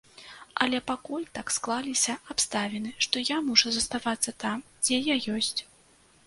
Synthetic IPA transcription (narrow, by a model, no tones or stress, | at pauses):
ɐlʲɛpakulʲt̪aksklˠalʲisʲɐapst̪avʲɛnɨʂt̪ɔjamuʐɐzɐst̪avat̪sːɐt̪amd͡zʲɛjajɔsʲt͡sʲ